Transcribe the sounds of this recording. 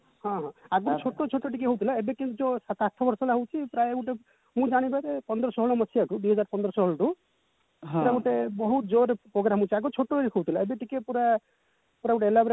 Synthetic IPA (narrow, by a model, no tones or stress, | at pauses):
hɔ̃ɦɔ̃aɡot͡ʃʰoʈːot͡ʃʰoʈːoʈikeɦowt̪ʰilaebekint̪ud͡ʒɔsat̪at̪ʰɔbɔɾsɔlaɦowt͡ʃʰipɾaeeɡuʈe | mũd͡ʒaɽ̃ipaetepɔnd̪ɾɔsɔɦɔɭɔmɔsʰijaʈud̪uɦɔd͡ʒaɾpɔnd̪ɾɔsɔɦɔɭɔʈu | ppuɾaɡuʈebɔɦut̪d͡ʒoɾpɾoɡɾamɦowt͡ʃʰiaɡot͡ʃʰoʈːoɾiɦowt̪ʰilaebeʈikepuɾa | puɾaɡuʈeelabɾe